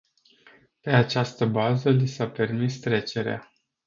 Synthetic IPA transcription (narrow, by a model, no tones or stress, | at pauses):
pe̞at͡ʃast̪əbazəlisape̞rmist̪ɾe̞t͡ʃe̞ɾea̰